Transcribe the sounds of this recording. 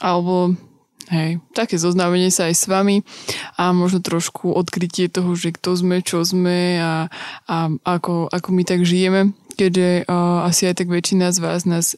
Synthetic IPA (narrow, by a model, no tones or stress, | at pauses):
ʔalɛbɔ | ɦɛjt̪akɛːzɔznamɛɲɪɛsaːjsʋamiamɔʒnɔt̪ɾɔʃkʰuʔɔt̪kɾicɪɛt̪ɔɦɔʒɛkt̪ɔzmɛt͡ʃɔzmɛaaakɔʔakɔmit̪aɡʒijɛmɛkɛɟʒɛasiajt̪aɡʋɛt͡ʃinazʋaːznaːs